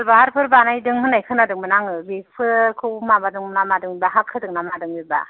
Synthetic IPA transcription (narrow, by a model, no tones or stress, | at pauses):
lbaɦaɾpʰɯɾbanajdɯŋhɯnajkʰɯnadɯŋmɯnaŋɯbipʰɯkʰɯmabadɯŋmɯnamadɯŋbibaɦakʰːɯdɯŋnamadɯŋbiba̰